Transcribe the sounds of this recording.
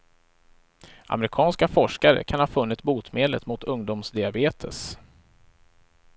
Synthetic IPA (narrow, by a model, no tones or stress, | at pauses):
ʔa̰mɛɾɪkʰɑːnskafɔʂkaɾə̰kʰanhɑːfɵnːɪt̪buːt̪meːd̪lət̪mʊt̪ʰɵŋd̪ʊmsd̪ɪabeːt̪ʰə̰s